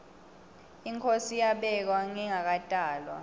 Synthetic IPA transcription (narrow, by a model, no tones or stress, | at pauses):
iŋkʰosijaɓɛk̬waŋiŋak̬atʼaːlwa̰